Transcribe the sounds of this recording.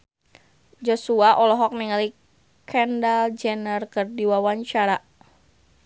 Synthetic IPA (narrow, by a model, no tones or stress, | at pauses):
d͡ʒɔsuaʔɔlɔɦɔk̚niŋali | kʰɛndald͡ʒɛnərkərdiwawaɲt͡ʃaɾa